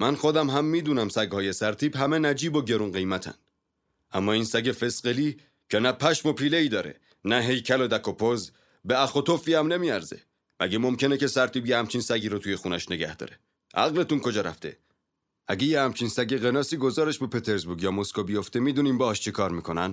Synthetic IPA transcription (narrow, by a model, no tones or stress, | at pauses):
mænxo̞d̪æmɦæmːiːd̪uːnæmsæɡhɒːje̞sæɾt̪ʰiːbɦæme̞næd͡ʒiːboɟe̞ɾunɢe̞jmæt̪ʰæ̰nd̪ | æmːɒːiːnsæɟefe̞sɢeliː | cʰenæpʰæʃmo̞pʰiːleiːd̪ɒːɾe̞̰ | næɦe̞jcʰælod̪ækʰopʰoz | beæxo̞t̪ofiːæmne̞miːæɾze̞̰ | mæɟemo̞mcʰe̞nece̞sæɾt̪ʰiːbjehæmt͡ʃʰinsæɟiːɾot̪ʰuːje̞xunæʃne̞ɡæhd̪̥ɒ̰ːɾe̥ | ʔæ̰ɣle̞t̪unkʰo̞d͡ʒɒːɾæ̰ft̪e̞̰ | æɟejehæmt͡ʃʰinsæɟeɣe̞nɒːsiːɡo̞zɒːɾeʃbepʰet̪ʰeɾzbuɾɡjɒːmoskobijo̞ft̪emiːd̪uːniːmbɒhɒʃt͡ʃʰekʰɒːɾmiːkʰonæn